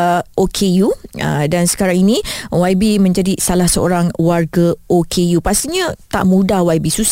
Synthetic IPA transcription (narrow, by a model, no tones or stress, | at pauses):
ʔokʰejuə̰dansə̥kaɾaŋinĩwabimə̃ɲd͡ʒadisalahsəo̰ɾaŋwarɡaokʰejupast̪iɲãt̪a̰ʔmũdahwajbisus